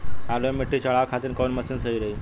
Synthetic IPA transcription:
alojmiʈʰːit͡ɕəɭakʰat̪inkownməsiːnsəiɾəi

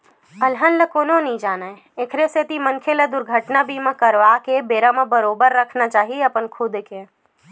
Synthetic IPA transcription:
ɐlɦə̃nləkoːnonɐĩd͡ʒaːnae | ekʰɾeset̪imənkʰeled̪ʊɾɡʱəʈnabʱimə̃kəɾʋaːkebeːɾamə̃bəɾoːbəɾːɐkʰnat͡ʃaːɦieɐpənkʰʊd̪keː

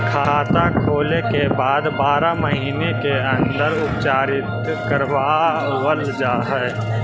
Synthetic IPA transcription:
kʰaaːt̪akʰoːlekebaːd̪baːɾaməɦiːnekeə̃nd̪əɾʊpt͡ʃaːɾɪt̪ | kəɾʋa | wəld͡ʒaːɦɛɛ

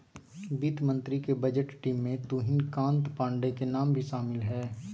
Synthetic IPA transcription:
biːt̪mə̃nt̪ɾikebɐd͡ʒəʈʈiːmːẽt̪uːɦɪnkãːnt̪pãːɳɖekenaːmbʱiʃaːmɪlɦɛː

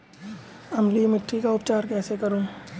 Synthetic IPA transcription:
ɐmliːmɪʈɾikaʊpt͡ʃaːɾkɛːsekɐɾõː

